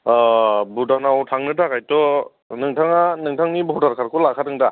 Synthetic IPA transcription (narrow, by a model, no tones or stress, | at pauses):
budanawtʰaŋnɯdakajtɔ | nɯŋtʰaŋanɯŋtʰaŋnibɔdaɾkʰaɾkʰulakʰadɯŋda